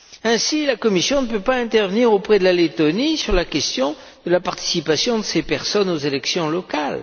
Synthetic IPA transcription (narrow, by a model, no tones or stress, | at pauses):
ɛ̃silakɔmisjɔ̃nəpøpaɛ̃t̪ɛʁvəniʁopχɛd̪əlalet̪ɔnisyʁlakʲɛst̪jɔ̃ | d̪̥əlapaʁt̪i̥sipasjɔ̃d̪əsepɛʁsɔnozelɛksjɔ̃lɔkal